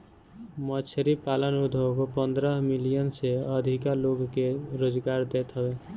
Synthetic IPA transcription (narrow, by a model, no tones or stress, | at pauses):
mət͡ʃʰəɾipalənud̪ʱəkopənd̪ɾəɦmilijənseəd̪ʱikaloɡkeɾod͡ʒɡaɾd̪et̪ɦəbe